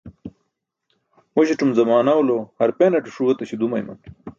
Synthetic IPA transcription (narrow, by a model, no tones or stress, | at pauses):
moɕiʈ͡ʂumzɐmaːnɐwolohɐɾpenɐʈuʂuwɐt̪ɐɕid̪umɐ̰jmɐ̰n